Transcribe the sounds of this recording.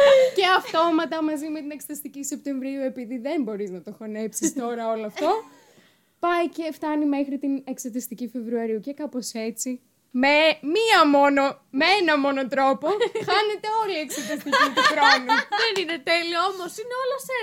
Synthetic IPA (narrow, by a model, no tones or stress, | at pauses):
ce̞ɐft̪o̞mɐt̪ɐmɐzime̞t̪inekst̪ɐist̪icise̞p̚t̪e̞ɱvɾiue̞piðiðe̞mbo̞ɾiznɐt̪oxo̞ne̞psist̪o̞ɾɐo̞loɐft̪o̞ | pɐjce̞ft̪ɐnime̞xɾit̪inekst̪ɐt̪ist̪icife̞vɾuɐɾiuce̞kɐpo̞se̞t͡si | memiɐmo̞nomeenɐmo̞no̞t̪ɾo̞po̞xɐne̞t̪e̞o̞lieksɐt̪ist̪icit̪uxɾo̞nuðenine̞t̪e̞lioomosineolose